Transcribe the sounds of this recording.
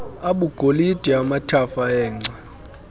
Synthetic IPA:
aɓuɡ̥ʱolid̥ʱiamatʰafaɛːŋ͡ǀʱɛ

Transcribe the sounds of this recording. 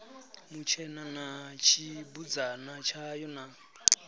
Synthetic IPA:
mut͡ʃʰɛnanat͡ʃʰibud͡zanat͡ʃʰajɔna

